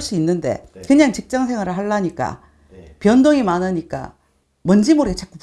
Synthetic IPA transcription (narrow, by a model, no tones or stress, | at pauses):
ɕ͈iinːɯnde̞̰kɯɲaŋt͡ɕik̚t͡ɕ͈aŋsʰe̞ŋwaɾɯɭɦaɭːaɲik͈a̰ | pjʌndoŋimanɯɲik͈a̰ | mʌnd͡ʑimoɾiet͡ɕʰak͈up